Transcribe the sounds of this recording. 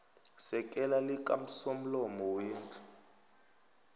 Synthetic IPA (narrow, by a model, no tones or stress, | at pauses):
sɛk̬ʼɛlalikʼa̰m̩som̩lɔmɔweːntʰʼu̥